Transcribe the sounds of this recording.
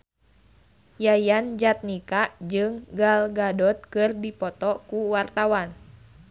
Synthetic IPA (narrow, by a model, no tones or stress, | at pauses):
jajand͡ʒat̪̚nikaʔd͡ʒɨŋɡalɡadɔt̪̚kɨrdipɔt̪ɔkuwart̪awan